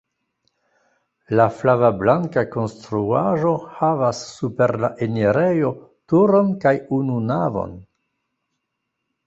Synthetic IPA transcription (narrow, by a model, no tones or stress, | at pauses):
laflavablaŋkako̞nstɾuaʒo̞havasːupe̞ɾla̰ʔeniɾe̞jo̞tuɾo̞nkajununavo̰n